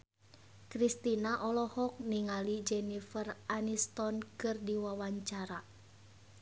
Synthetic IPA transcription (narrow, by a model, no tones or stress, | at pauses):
kɾist̪inaʔɔlɔhɔk̚niŋalid͡ʒɛnifəranist̪ɔnkɨrdiwawaɲt͡ʃaɾa